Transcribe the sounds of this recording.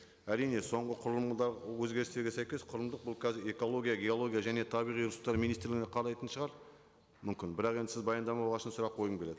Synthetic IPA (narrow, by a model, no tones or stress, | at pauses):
æɾijne̞so̞ɴʁəqʰʊɾəlˠmd̪ɑɾwɵzɡʲe̞ɾɪst̪e̞ɾɡʲesæjkʲe̞sqʰʊɾəmd̪əq̚bʊlˠkʲʰæzɪɾe̞ko̞lˠo̞ɡʲijaɡʲe̞o̞lˠo̞ɡʲijaʒæne̞t̪ʰɑbijʁijɾʊsu̥t̪ːɑɾmijnist̪ɾlɪɡɪneqʰɑɾɑjt̪ənʃəʁɑɾ | mʏmkʲɪnbɪɾɑqe̞nd̪ɪsɪzbɑjɑnd̪ɑmɑwoʁɑʃənsʊɾɑqːʰo̞jəkʰʲele̞d̪ɪ